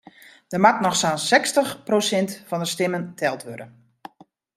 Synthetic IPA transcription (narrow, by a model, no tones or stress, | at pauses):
d̥əmatnɔxsaːnsɛkstəxprosɛntfɔndəstɪməntʰɛlˠtʋødən